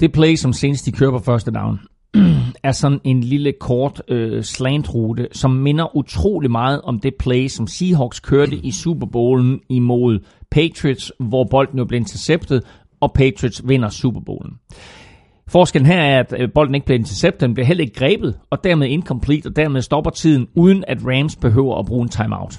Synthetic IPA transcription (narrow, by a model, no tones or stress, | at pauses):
d̥e̝pʰleɪsɒ̽mse̝ːnəsd̥d̥ikʰøːɐpʰɒ̽fɶɐsd̥əd̥ɑ̈ʊn | æɐsɒ̽ne̝nliləkʰɒːd̥øslend̥ʁuːd̥əsɒ̽mːe̝nɐʔut͡sʰʁo̝̰ːlimɑ̈ːð̞̩ˠɒ̽md̥e̝pʰleɪsɒ̽msiːɦɒɡ̥skʰøɐd̥əʔisuːb̥ɐb̥oːln̩imo̝ð̞̰ˠpʰet͡sʰʁid̥sʋɒb̥ɒ̽l̰d̥n̩job̥lieɐe̝nt͡sʰeɐseb̥̚d̥ð̩ˠ | ɒ̽pʰet͡sʰʁid̥sʋe̝n̰ɐsṵb̥ɐb̥o̰ːln̩ | fɒːsɡ̥el̰n̩ɦæɐæɐæd̥b̥ɒ̽l̰d̥n̩e̝ɡ̥̚liɐe̝nt͡sʰɐseb̥̚d̥ð̩ˠnb̥liɐɦel̰ɐe̝ɡ̥̚ɡ̥ʁɛːb̥ð̞̩ˠɒ̽d̥æɐmeðˠe̝nkʰɒ̽mpʰlḭːd̥ɒ̽d̥æɐ̰með̞ˠsd̥ɒ̽b̥ɐt͡sʰið̞̰ˠn̩uð̞ˠn̩æd̥ʁæmsb̥e̝ɦø̰ʊ̰ɐʔæb̥ʁuːe̝nt͡sʰɑ̈ɪmɑ̈ʊ̰d̥